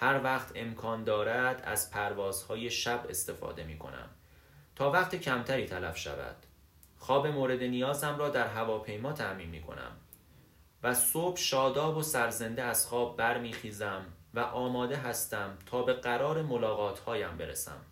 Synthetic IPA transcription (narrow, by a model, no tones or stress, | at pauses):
hæɾvæχt̪ʰe̞mkʰɒːnd̪ɒːɾæd̪æ̰z̥pʰæɾvɒːz̥hɒːje̞ʃæbe̞̰st̪e̞fɒ̰ːd̪e̞miːkʰo̞̰næ̰m | t̪ʰɒːvæχt̪ʰecʰæmt̪ʰæɾiːt̪ʰælæfʃæ̰væ̰d̪̥ | xɒːbemoːɾe̞d̪enijɒːzæmɾɒːd̪æɾɦævɒːpʰe̞jmɒːt̪ʰæmiːnmiːkʰo̞̰næ̰m | væsob̥ʃɒːd̪ɒːbosæɾze̞nd̪eæz̥xɒːbːæɾmiːxiːzæmvæʔɒːmɒːd̪e̞ɦæst̪æmt̪ʰɒːbe̞ɣæɾɒːɾemolɒːɣɒːt̪ʰhɒːjæmbe̞ɾḛsæ̰m